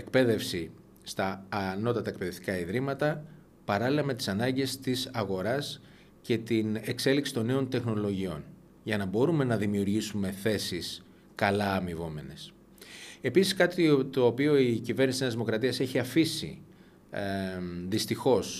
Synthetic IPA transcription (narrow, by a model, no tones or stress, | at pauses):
ek̚pe̞ðe̞fsi | st̪ɐːno̞t̪ɐt̪ɐe̞k̚pe̞ðe̞ft̪ikɐiðɾimɐt̪ɐ | pɐɾɐlilɐme̞t̪i̥sɐnɐɲɟe̞st̪isɐɣo̞ɾɐs | ce̞t̪ine̞kse̞liksi̥t̪o̞ne̞o̞nt̪e̞xno̞lo̞ʝio̞̰n | ʝɐnɐbo̞ɾume̞nɐðimiuɾʝisume̞θe̞sis | kɐlɐːmivo̞me̞ne̞s | e̞pisiskɐt̪it̪o̞ːpio̞icive̞ɾnisineɐzðimo̞kɾɐt̪iɐse̞çiɐfisḭ | ðist̪ixo̞s